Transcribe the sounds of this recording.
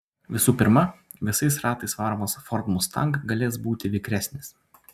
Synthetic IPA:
ʋʲɪsuːpʲɪɾmɐ | ʋʲɪsɐɪsɾɑːt̪ɐɪsʋɑˑɾmoːsfɔɾt̪mʊst̪ɐ̰ŋkɡɐlʲeːsbuːt̪ʲɪʋʲɪkɾʲæsʲnʲɪs

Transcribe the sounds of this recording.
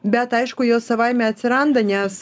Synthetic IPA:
bʲɛt̪ɐɪʃkʊjoːsɐʋɑjmʲɛɐt̪ʲsʲɪɾɑnd̪ɐnʲɛs

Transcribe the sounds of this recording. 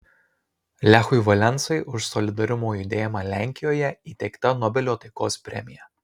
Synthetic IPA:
lʲæxʊɪʋɐlʲɛnt̪sɐɪʔʊʃsɔlʲɪd̪ɐɾʲʊmoːjʊd̪ʲeːjmɑlʲæˑŋʲkʲɪjoːjɛiːt̪ʲɛɪkt̪ɐnɔbʲɛlʲoːt̪ɐɪkoːspʲɾʲɛ̰mʲɪjɛ

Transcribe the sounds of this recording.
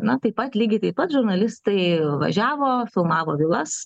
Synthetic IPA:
nɐt̪ɐɪpɐt̪lʲiːɡʲɪt̪ɐɪpɐt̪ʒʊɾnɐlʲɪst̪ɐɪʋɐ̰ʒʲæːʋoːfʲɪlˠmɑːʋoːʋʲɪlˠɐs

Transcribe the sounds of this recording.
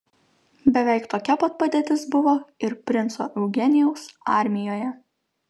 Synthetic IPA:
bʲɛʋʲɛɪkt̪oːkʲɛpɐt̪̚pɐd̪ʲeːt̪ʲɪsbʊʋoːɪɾpʲɾʲɪnso̰ːʔɛʊɡʲɛnʲɪjɛʊsɑˑɾʲmʲɪjoːjɛ

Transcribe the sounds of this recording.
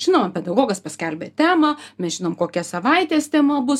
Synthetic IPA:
ʒʲɪnoːmɐpʲɛd̪ɐɡoːɡɐspɐsʲkʲɛlʲbʲeːt̪ʲæːmɐmʲɛsʒʲɪnoːmkoːkʲɛsɐʋɐɪt̪ʲeːst̪ʲɛmoːbʊs

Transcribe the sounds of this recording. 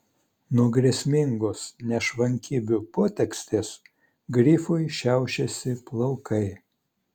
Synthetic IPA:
nuɔɡɾʲesʲmʲɪŋɡoːsnʲɛʃʋɐŋʲkʲiːbʲupoːt̪ʲɛksʲt̪ʲeːs | ɡɾʲiːfʊɪʃʲæˑʊʃʲɛsʲɪplˠɐʊkʰɐɪ

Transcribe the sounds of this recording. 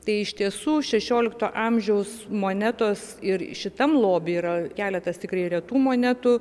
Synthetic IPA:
t̪ɐɪɪʃt̪ʲiɛsuːʃʲɛʃʲoːlʲɪkt̪oːʔɑːmʲʒʲɛʊsmoːnʲæt̪oːsɪrʃʲɪt̪ɐmlˠoːbʲɪiːɾɐkʲæːlʲɛt̪ɐst̪ʲɪkrɐɪɾʲɛt̪uːmoːnʲæt̪ʊ

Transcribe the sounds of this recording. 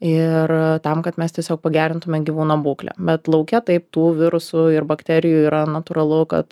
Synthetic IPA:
ɪrt̪ɐmkɐt̪mʲɛst̪ʲiɛsʲoːk̚pɐɡʲæːɾʲɪnt̪ʊmʲɛɡʲiʋuːnoːbuːklʲɛ̰bʲɛt̪lˠɒʊkʲɛt̪ɐɪpt̪uːʋʲɪɾʊsʊɪrbɐkt̪ʲæːɾʲɪjuːiːɾɐnɐt̪uːɾɐlˠʊkɐ̰t̪

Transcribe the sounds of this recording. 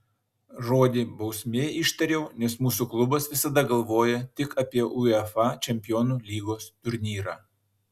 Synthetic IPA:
ʒoːd̪ʲibɐʊsʲmʲeːɪʃt̪ɐɾʲɛʊnʲɛsmuːsuklˠʊbɐsʋʲɪsɐd̪ɐɡɐlˠʋoːjɛt̪ʲɪkɐːpʲiɛʔʊɛfɑt͡ʃʲɛmʲpʲɪjoːnuːlʲiːɡoːst̪ʊɾʲnʲiːɾɑː

